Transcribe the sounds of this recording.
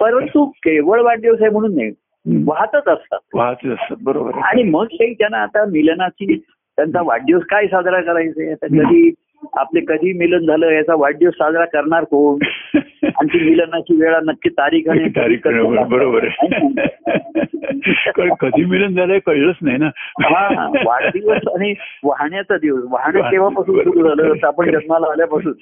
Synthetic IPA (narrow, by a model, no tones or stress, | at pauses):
pəɾənt̪ukeʋəɭʋaɖjosajm̤əɽ̃uːnːḛ | ʋaɦt̪ət͡səst̪a̰t̪ʋaɦt̪ət͡səst̪at̪̚bəɾobə̰ɾaɽ̃iməɡseit̪janaːt̪amilnat͡ɕiː | t̪jant͡saʋaɖjoskajisad̪ɾakəɾajt͡sejat̪akəd̪ʱiː | a̰plekəd̪ʱiːmilənd͡zʱaləːjat͡saʋaɖjosad̪ʱɾakəɾɳaɾkoɳ | a̰nit̪iːmilənat͡ɕiːʋeɭanəkːiːt̪aɾiːkʰãet̪aɾikəəbəɾobəɾ | kəkəd̪ʱiːmilənd͡zʱaləekəjɭət͡snajnaɦãɦã̰ʋa̰d̪iʋəsaɽ̃iʋaɦɳjat͡sad̪iʋəsʋaɦɳjkeʋ̤apasuːnsud̪d͡zʱaləːət̪əapəɳd͡ʑənmalaːljapasuːn